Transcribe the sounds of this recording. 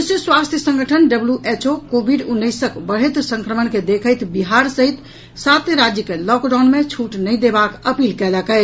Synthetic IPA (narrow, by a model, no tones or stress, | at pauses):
usjəswast̪ʰjəsə̃ŋɡəʈʰənɖəbljuʔet͡ʃokobʱiɖunːəjsəkbəɽet̪ɾsə̃ŋkɾəmənked̪ekʰəjt̪biɦaɾsəɦit̪ | sat̪jəɾad͡ʒjəkelɔkɖanmet͡ʃʰuʈnəɪd̪ebakəpilkɛləkɛɪt͡ʃʰ